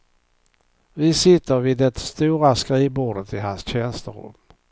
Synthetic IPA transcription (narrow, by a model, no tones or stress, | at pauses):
vɪsɪt̪ːəɾvɪd̪ɛt̪st̪uːɾaskɾiːbuːɖət̪ʰɪɦansɕɛnst̪əɾɵ̰m